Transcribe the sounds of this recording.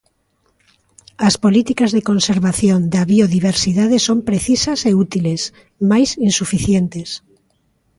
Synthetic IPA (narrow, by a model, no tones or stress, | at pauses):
ɐspolit̪ikɐzðekonseɾβaθjond̪ɐβioðiβeɾsiðaðesompɾeθisɐseut̪iles | majsinsufiθjent̪es